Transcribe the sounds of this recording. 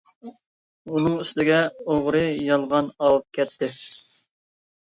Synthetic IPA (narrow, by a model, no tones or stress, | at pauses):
unɨŋyst̪ɪɡʲɛoʁɾɨjɑlˠʁɑnɑwɨp̚kʲʰɛt̪ʰːɪ